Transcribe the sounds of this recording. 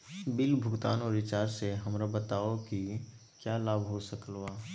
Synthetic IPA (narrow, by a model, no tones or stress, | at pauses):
bɪlbʱʊɡt̪aːnɔːɾɪt͡ʃaːɾseɦəmɾabət̪aːoki | kjaːlaːbʱɦosəklwaː